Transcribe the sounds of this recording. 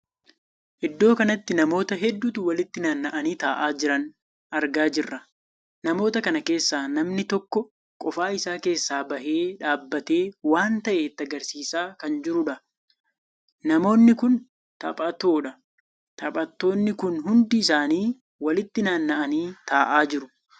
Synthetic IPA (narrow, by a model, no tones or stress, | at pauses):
ʔɪd̪ːo̞ːkɐnɐt̪ːɪnɐmo̞ːt̪ɐɦɛd̪ːut̪ʊwɐlɪt̪ːɪnaːnːɐʔɐniːt̪aːʔaːd͡ʒɪɾɐn | ʔɐɾɡaːd͡ʒɪrːɐ | nɐmo̞ːt̪ɐkɐnɐke̞ːsːaːnɐmnɪt̪ɔkːɔ | kʼɔfaːɪsaːke̞ːsːaːbɐhe̞ːᶑaːbːɐt̪e̞ːwaːnt̪ɐʔeːt̪ːɐɡɐɾsiːsaːkɐnd͡ʒɪɾʊᶑɐ | nɐmo̞ːnːɪkʊn | t̪ɐ̰pʼɐt̪o̞ːᶑɐ | t̪ɐpʼɐt̪ːo̞ːnːɪkʊnɦʊnd̪ɪːs̬aːniː | wɐlɪt̪ːɪnaːnːɐʔɐniːt̪aːʔaːd͡ʒɪɾʊ